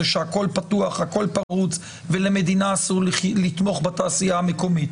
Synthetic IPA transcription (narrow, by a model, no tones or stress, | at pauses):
eʃeako̞lpatuaχhako̞lpaʁut͡s | veleme̞d̪inaːsuʁllit̪mo̞χbat̪aːsijaameko̞mit̪